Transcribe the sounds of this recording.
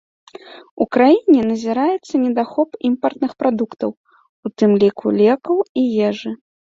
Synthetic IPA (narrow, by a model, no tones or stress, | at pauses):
ukɾajinʲɛnɐzʲiɾajɛt̪sːɐnʲɛd̪axɔpimpɐrt̪nɨxpɾad̪ukt̪ɐw | ut̪ɨmlʲikṵlʲɛkɐwijɛʐɨ